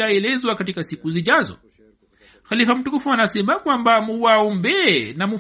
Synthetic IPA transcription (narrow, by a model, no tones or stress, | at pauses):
aɛlɛzwakatikasikuziʄazɔ̰ | xalifam̩tukufuanasɛmakwambamuwaɔmbɛnamu